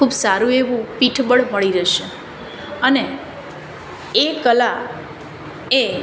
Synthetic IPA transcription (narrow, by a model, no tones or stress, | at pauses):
ubsaɾũeʋũpiʈʰbəɽməɭiɾəʃe | əne | ekəla | e